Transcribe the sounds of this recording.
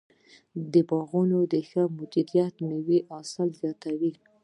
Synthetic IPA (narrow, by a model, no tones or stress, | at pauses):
d̪əbɑɣunod̪əxəmʊd͡ʒud̪ijat̪nəwiʔɑsəlzjɑt̪awi